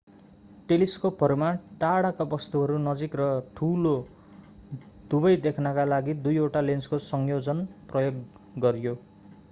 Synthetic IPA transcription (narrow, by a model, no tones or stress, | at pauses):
ʈeliskobʰʱʌrmaʈaɽakabʌst̪uɦʌɾunʌd͡zikrʌʈʰulo | d̪̥ubʌjd̪ekʰnʌkalaɡid̪ujoʈalenskosʌŋjod͡zʌnprʌjoɡ | ɡʌɾjo